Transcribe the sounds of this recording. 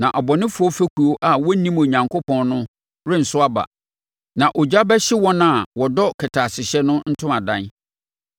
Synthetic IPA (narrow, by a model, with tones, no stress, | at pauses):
nã˨ʔɔ˨bɔ˨nɪ̃˦fʊ˦ɔ˦fæ˦kʰu˨o˦ʔa˦wɔ˦nĩ˦mo˨ɲã˨ŋkʰo˦pʰɔ̃˦nnʊ̃˦ | ɾɪ̃˦n̩˨sʊ˦a˦ba̰˨ | nã˨ʔɔ˨d͡ʑa˦bɛ˦ɕɪ˦wɔ̃˦nã˦˨wɔ˨dɔ˦kʰɪ˨tʰaː˨sɪ˨ɕɛ˦nʊ̃˦n̩˦tʰʊ̃˦mã˨dã˦˨n